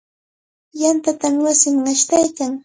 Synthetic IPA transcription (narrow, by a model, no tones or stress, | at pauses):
jant̪at̪amwasɪmŋaʃt̪ajkaŋ